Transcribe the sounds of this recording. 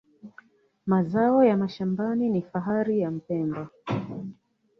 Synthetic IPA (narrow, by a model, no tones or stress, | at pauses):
mazaɔjamaʃambaninifaɦaɾijam̩pɛmba